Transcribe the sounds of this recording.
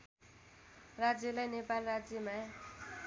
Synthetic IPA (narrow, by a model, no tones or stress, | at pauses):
rad͡zjelajnepalrad͡zjema